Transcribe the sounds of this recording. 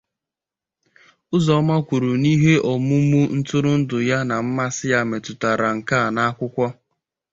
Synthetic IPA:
ʊ˦zɔ˨˦ma˦kʷu˨ɾu˨ni˦ɦe˦ʔɔ˨mʊ˦mu˦n̩˦tʊ˦ɾʊ˦n̩˦dʊ˨ja˦na˨m̩˦ma˦sɪ˦ja˦me˨tʊ˨ta˨ɾa˨ŋ̩˨ka˦˨na˦a˦kʷʊ˦kʷɔ˦

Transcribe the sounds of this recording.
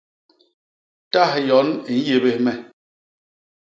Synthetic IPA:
ta˦hjɔ˨˦ni˨n̩˦je˦be˦hmɛ˦

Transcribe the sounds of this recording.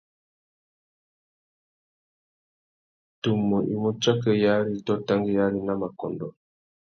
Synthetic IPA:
tu˨mːɔ˨ʔi˨mɔ˦t͡ʃa˦kɛ˦ja˦ɾi˦tɔ˦ta˦ŋɡi˦ja˦ɾi˦na˦ma˨kɔ˨ndɔ˨

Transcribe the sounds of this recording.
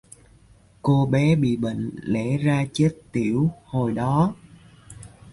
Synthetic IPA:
ko˧ɓɛ˨˦ɓḭ˧˨ɓə̰˧˨ŋ̟lḛ˧˥zaː˧t͡ɕe˦˥t̚t̪i˧˩əwho˨˩jɗɔ˨˦

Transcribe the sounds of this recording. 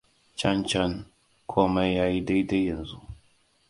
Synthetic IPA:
t͡ʃa˦nt͡ʃa˦n | kʰoː˦ma˦jjːaː˦ji˦da˦jda˦jːɐ˨nzu˦

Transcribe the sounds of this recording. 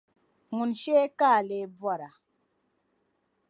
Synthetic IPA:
ŋu˨nʃe˦ka˦˨le˨b͡vwɔ˦˨ɾa˨

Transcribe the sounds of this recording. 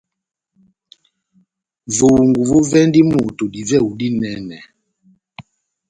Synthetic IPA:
vo˨ŋɡu˨vo˦vɛ˦ndi˦mu˨tu˨di˨vɛ˦˨u˨di˦nɛ˨˦nɛ˨

